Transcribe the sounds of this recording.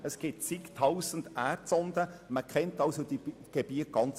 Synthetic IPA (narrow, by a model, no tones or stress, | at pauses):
əsɡ̥ɪtsikt̪ʰɑwsən̩dærtsɔnd̥̪əməkʰɛntɑʊsod̥̪iɡ̥eb̥iət̚ɡ̥ɑnt͡s